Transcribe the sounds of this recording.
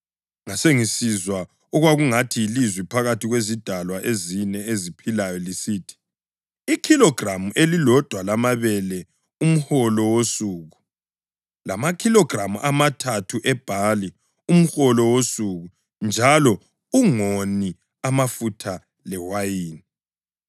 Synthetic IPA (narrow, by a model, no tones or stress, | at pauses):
ŋaseŋisizwa | ɔɣwaɣuŋatʰiilizwipʰaɣatʰiɣwezid̥ʱalwaʔezinɛezipʰilajɔlisiːtʰi̥ | ikʰilɔɡ̥ramuʔelilɔd̥ʱwalamaβɛlɛ | um̩xɔlɔwosuːɣu | lamakʰilɔɡ̥ramuʔamatʰatʰuʔɛb̥ʱali | um̩xɔlɔwosuɣu | nd͡ʒʱalɔ | uŋoni | amafutʰa | lɛwajiːn